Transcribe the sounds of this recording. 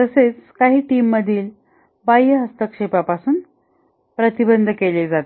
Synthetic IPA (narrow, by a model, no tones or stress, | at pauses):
t̪əset͡skaɦiːʈiːmːəd̪ʱiːl | bajəɦəst̪əkʂepapasuːn | pɾət̪ibənd̪ʱəkeled͡zat̪e